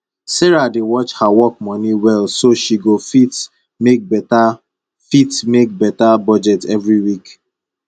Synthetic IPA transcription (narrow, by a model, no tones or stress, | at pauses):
sɛɹadewɔt͡ʃhawɔk̚mɔniwɛlsoʃiɡofit | mek̚bɛta | fitmek̚bɛtabɔd͡ʒɛtɛvɹiwik